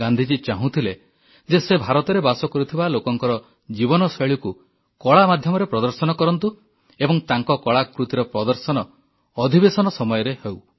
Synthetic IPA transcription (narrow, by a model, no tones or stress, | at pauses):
and̪ʱid͡ʒit͡ʃaɦũt̪ʰile | d͡ʒesebʱaɾɔt̪ɔɾebasɔkɔɾut̪ʰibalokɔŋkɔɾɔ | d͡ʒibɔnɔseɭiku | kɔɭamad̪ʱjɔmɔɾepɾɔd̪ɔɾsɔnɔkɔɾɔnt̪u | ebɔŋt̪aŋkɔkɔɭakɾut̪iɾɔpɾɔd̪ɔɾsɔnɔː | d̪ʱibesɔnɔsɔmɔjɔɾehew